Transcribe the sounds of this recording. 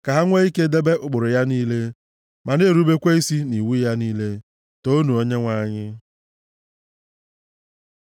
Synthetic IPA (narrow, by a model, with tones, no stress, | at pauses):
ka˨ɦa˦ŋʷe˦i˦ke˦de˦be˦ʔʊ˨ɡ͡bʊ˨ɾʊ˨ja˦niː˦le˦ | ma˨ne˦˨ɾu˦be˦kʷe˦i˦si˦ni˨wu˦ja˦niː˦le˦ | to˦nu˨o˦ɲe˦ŋʷa˦˨ɲɪ˦